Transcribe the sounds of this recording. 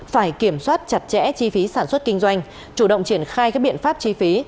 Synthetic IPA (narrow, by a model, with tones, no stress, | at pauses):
faː˧˩jki˧˩əmswaː˦˥t̚t͡ɕa˨˩t̚t͡ɕɛ̰˧˥t͡ɕi˧fi˨˦saː˧˩nswə˦˥t̚ki˧ŋ̟zwa˧jŋ̟ | t͡ɕu˧˩ɗə̰˧˨wŋ͡mt͡ɕi˧˩ənxaː˧jkaː˦˥k̚ɓḭ˧˨nfaː˦˥p̚t͡ɕi˧fi˨˦